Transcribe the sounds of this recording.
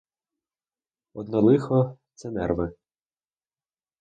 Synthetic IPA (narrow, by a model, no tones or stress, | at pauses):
ɔd̪nɔlˠɪxɔt̪sɛnɛrʋɪ